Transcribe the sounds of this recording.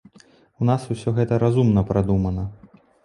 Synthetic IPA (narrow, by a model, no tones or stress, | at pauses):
wn̪asusʲɔɣɛt̪ɐɾazumnɐpɾʔad̪umɐnɐ